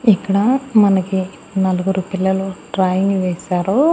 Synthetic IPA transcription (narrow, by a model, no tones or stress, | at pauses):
ikːɐɽɐmɐnɐki | nɐluɡuɾupilːɐluʈɾaːjiŋɡʋeːsaːɾu